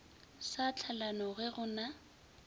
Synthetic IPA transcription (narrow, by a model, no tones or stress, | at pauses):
sat͡ɬʰalanɔɣɛɣʊna